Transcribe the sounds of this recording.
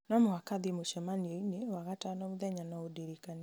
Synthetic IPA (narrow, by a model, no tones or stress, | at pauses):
nɔmowakaðimoʃɛmanioinewaɣatanauðɛɲanaodiɾikani